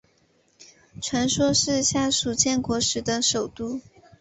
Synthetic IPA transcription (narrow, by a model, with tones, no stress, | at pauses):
ʈ͡ʂʰwa˧˥nʂwɔ˥ʂɻ̩˥˧ɕja˥˩ʂu˨˩t͡ɕʰjɛ˥˩nkwɔ˧˥ʂɻ̩˧˥d̪ə˧ʂo˨˩ʊt̪u˥˩